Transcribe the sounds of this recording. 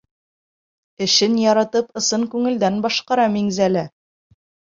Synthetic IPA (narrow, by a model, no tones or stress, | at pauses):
ɘ̆ʃɘnjɒɾɑt̪ɤpɤ̆sɤŋkʉŋɘ̆ld̪ænbɒʃqɑɾɑmiŋzælæ